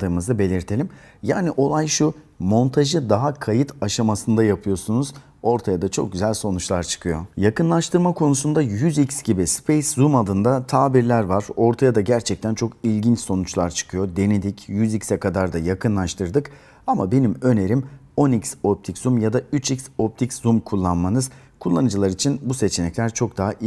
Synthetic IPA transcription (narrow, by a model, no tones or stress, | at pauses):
ɯːmɯzɯbe̞lʲiɾt̪ʰe̞lʲimjaːniʔo̞lˠajʃu | mo̞nt̪ʰaʒɯd̪aɦakʰajɯt̪ʰaʃamasɯnd̪ajapʰɯjo̞sunuz̥ | o̞ɾt̪ʰajad̪at͡ʃʰo̞̰k̚ɟyzælʲso̞nut͡ʃlˠaɾt͡ʃʰɯ̥kʰɯjo̞̰jakɯnlˠaʃt̪ʰɯɾmakʰo̞nusund̪ajyzicsɟibispʰejszumad̪ɯnd̪at̪ʰaːbiɾlʲæɾvaɾ̥o̞ɾt̪ʰajad̪aɟæɾt͡ʃʰɛc̚t̪ʰænt͡ʃʰo̞kilʲɟint͡ʃso̞nut͡ʃlˠaɾt͡ʃʰɯ̥kʰɯjod̪e̞nid̪icjyzicsɛkʰad̪aɾd̪ajakʰɯnlˠaʃt̪ʰɯɾd̪ɯk | amabe̞nimø̞ne̞ɾim | o̞nicso̞p̚t̪ʰiczumjad̪ayt͡ʃicso̞p̚t̪ʰicszumkʰulˠːanmanɯz | kʰulˠːanɯd͡ʒɯlˠaɾit͡ʃʰinbuse̞t͡ʃʰenɛclʲæɾt͡ʃʰo̞k̚d̪aɦaʔ